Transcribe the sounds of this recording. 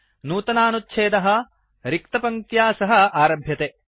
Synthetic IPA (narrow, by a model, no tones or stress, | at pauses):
nuːt̪ɐnaːnutːt͡ʃʰeːd̪ɐɦɐ | ɾik̚t̪ɐpɐŋt̪jaːsɐɦɐ̆aːɾɐbʱjɐt̪eː